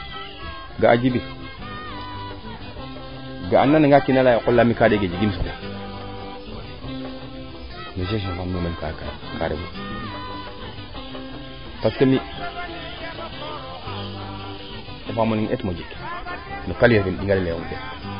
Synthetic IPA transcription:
ɡaa̰d͡ʒibi | ɡaanːaniŋɡakinalaikulːamikadeɡed͡ʒiɡis̬ute | niʃ̬eʃ̬ifamimenkakaka̰ɾḛwu | paskami | afamonietmod͡ʒiknukaleɾɡimɗiŋɡaleumɗe

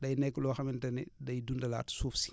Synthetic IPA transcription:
dɐjnɛkːlɔːxɐmintɐnḭdɐjdundɐla̰ːtsuːfsi̥

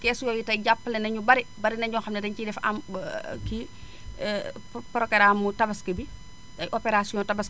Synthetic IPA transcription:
kɛːsjɔjitɐjɟapːlɛnɐɲubɐɾibɐɾinɐɲɟɔːŋxɐmnɐdɐɲcidɛfɐmki | pɾɔkeɾamːutɐbɐskɐbi | ɐjʔopeɾasijɔ̃tɐbɐs

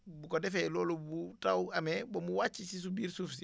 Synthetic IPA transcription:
bukodefelɔːlobutawamebomuwat͡ʃːisis̬ubiːɾsuːfsi

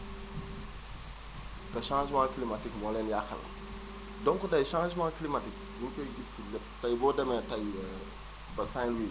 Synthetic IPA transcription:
kɐʃãːʒmãːklimatikmɔlɛnjaxɐ̰nɐ̰ | dɔŋkɔdɐjʃãːʒmãːklimatik̚mukɔjɡisilɛ | tɐjbɔːdɛmɛtɐj | bɐsãlwiː

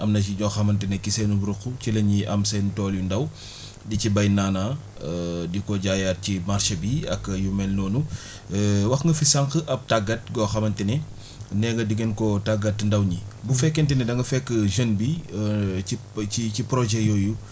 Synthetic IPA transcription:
ʔɐmnɐt͡ʃ̬iɲɔxɐmɐntinɛkisɛnubɾukːucilɐɲɲiʔɐ̰msɛntɔːljundɐw | dicibɐjnaːna | dikɔɟaːjat̚cimaɾʃɐbiɐ̰kːjumɛlnɔːnu | wɐxŋɡɐfisɐŋkəʔɐp̚taɡɐt̚ɡɔxɐmɐntinɛ | nɛɡɐdiɡenkɔtaɡɐtːndɐwɲibufɛkːɛntɛnɛdɐŋɡɐfɛkːəʒənbi | iicipɾɔʒɛjɔju

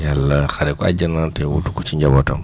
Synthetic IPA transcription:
jalːaxaɾɛkɔa̰ɟanatɛwṵtu̥kɔt͡ʃiɲɟabɔta̰m

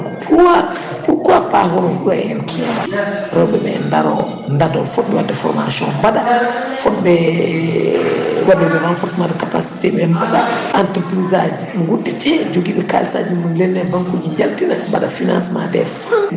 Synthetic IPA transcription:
kpʰuwak | pukuapahɔɾɔɗajɛlki | ɾɔbɛbɛ̰ndaɾɔ̰ | ndadɔfɔt̚bɛwadɛfɔ̰ɾma̰sɔ̃bada | fɔt̚bɛ | wadɛdɛɾanfɔɾsmadkapa̰si̥tebɛmbadaantəɾpɾizad͡ʒiŋɡudit͡ʃɛd͡ʒoɡibɛka̰lsa̰ɟumunlɛnːɛvaŋkuɟiɲaltinabadafina̰nsma̰dɛ̰f

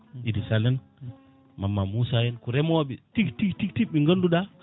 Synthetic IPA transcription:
idisalɛn | mamːamusajɛnkuɾɛmɔwaɓitiktiktik̚tiiŋɡənduɗa

